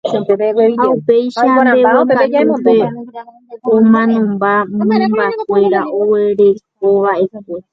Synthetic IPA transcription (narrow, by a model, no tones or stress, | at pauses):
aupejʃaeβoape | õmãnõmbamɨ̃mbak̚ʷe̞ɾaʔoweɾe̞k̚oʋaʔe̞kʷe